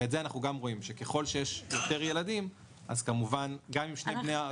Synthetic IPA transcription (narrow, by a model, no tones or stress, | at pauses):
etzeanaχnuɡamʁo̞imʃe̞ke̞χo̞lʃe̞jeʃjo̞t̪e̞ʁje̞ladim | ʔazkamuvanɡamimʃneneja